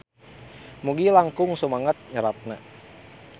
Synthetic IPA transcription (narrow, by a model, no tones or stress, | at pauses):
muɡilaŋkʊŋsəmaŋat̪̚ɲəɾat̪̚na